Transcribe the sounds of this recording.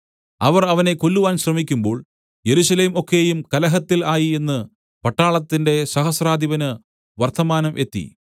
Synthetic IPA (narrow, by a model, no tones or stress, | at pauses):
ɐʋɐrɐʋɐne̞ko̞lːuʋaːnɕrɐmikʲːumbo̞ːɭ | je̞ɾuɕɐle̞ːmo̞kːe̞jumkɐlɐɦɐt̪ːilaːjie̞nːɨ | pɐʈːaːɭɐt̪ːinde̞sɐɦɐsraːd̪ʱiʋɐnɨ | ʋɐrt̪ʰɐmaːnɐmʔe̞t̪ːḭ